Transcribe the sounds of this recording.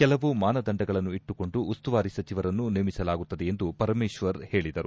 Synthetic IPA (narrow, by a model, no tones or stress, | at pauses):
kɛlɐʋumaːnɐd̪ɐɳɖɐɡɐɭɐnːuiʈːuko̞ɳɖuːst̪uʋaːɾisɐt͡ʃiʋɐɾɐnːunimisɐlaːɡut̪ːɐd̪eend̪upɐɾmeːʃʋɐɾhe̞ːɭid̪ɐɾu